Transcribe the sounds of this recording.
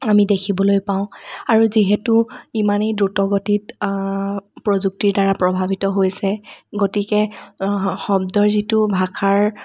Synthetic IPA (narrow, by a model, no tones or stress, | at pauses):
amidekʰibɔlojpaʊ̃aɹuziɦɛtuimanedɹutɔɡotit | pɹozuk̚tiɹdaɹapɹɔbʱabitɔɦojsɛɡotikɛ | xɔb̚dɔɹzitubʱakʰaɹ